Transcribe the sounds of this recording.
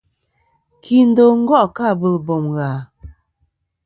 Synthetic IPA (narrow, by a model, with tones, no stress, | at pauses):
kʰi˦n̩˦do˦˨ŋ̩˦ɡɔ˦ʔka˦˨bə˦lbɔ˨mɣa˨